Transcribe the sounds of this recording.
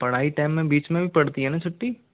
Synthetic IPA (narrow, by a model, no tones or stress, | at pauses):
pɐɽ̤aːiʈaːmːẽbiːt͡ʃmẽbʱipɐɽt̪iɦɛnat͡ʃʰʊʈːi